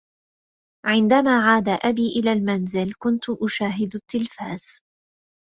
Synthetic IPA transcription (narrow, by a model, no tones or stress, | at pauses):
ʕɪnd̪amaːʕaːd̪aʔabiːʔɪlaːlmanzɪlkʊnt̪ʊʔʊʃaːɦɪd̪at̪ːɪlfaːz̥